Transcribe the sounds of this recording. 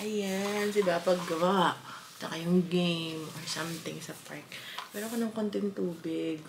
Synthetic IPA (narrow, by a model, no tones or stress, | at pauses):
ʔɐjansɪbapɐɡːɐwaʔt͡ʃɐkajʊŋɡejmonsɐ̃mt̪ɪŋsɐpaɹk̚mɛːɾokonɐŋkont̪ɪŋt̪uːbɪɡ̚